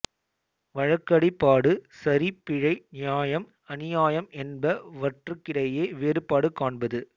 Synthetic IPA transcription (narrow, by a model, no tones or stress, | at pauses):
ʋɐɻɐkːɐɽɪpːaːɽɯsɐɾipɪɻɐɪnɪjaːjɐm | ɐnɪjaːjɐmɛnbɐʋɐʈrɯkːɪɽɐjeːʋeːɾɯpːaːɽɯkːaːɳbɐðɯ